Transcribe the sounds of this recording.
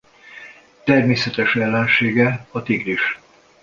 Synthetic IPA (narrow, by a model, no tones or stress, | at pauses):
t̪ɛrmeːsɛt̪ɛʃɛlːɛnʃeːɡɛɒt̪iɡɾiʃ